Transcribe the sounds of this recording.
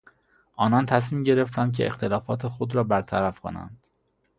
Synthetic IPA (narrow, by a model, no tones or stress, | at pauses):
ʔɒːnɒnt̪ʰæs̬miːmɟe̞ɾe̞ft̪ʰænd̪cʰeʔḛxt̪ʰe̞lɒːfɒːt̪ʰe̞xod̪ɾɒːbæɾt̪ʰæɾæfkʰo̞̰næ̰nd̪̥